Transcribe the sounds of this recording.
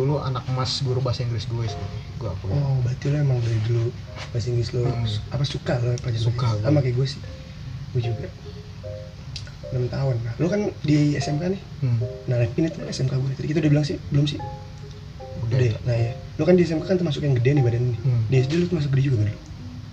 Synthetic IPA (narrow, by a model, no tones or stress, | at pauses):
ulua̰nak̚masɡuɾubasaiŋɡlɪsɡuɛsəpət̪iɡuakuɔbat̪iloemaŋɡədɛdəlu | basiŋɡlɪsloapasukalopad͡ʒasukkaamakajɡuɛsɪ̥h | ɡuɛd͡ʒuɡa | namt̪aʊnːalokandiɛsɛmkanɪh | nalapinɪt̪naɛsɛmkaɡuɛt̪apikit̪audabilaŋsɪhbəlʊmsɪ | uudɛnaja | lokandiɛsɛmkakant̪ərmasʊkjaŋɡədɛnibadaninɪdis̬dɛlot̪ərmasʊkɡəded͡ʒuɡaɡədəlʊ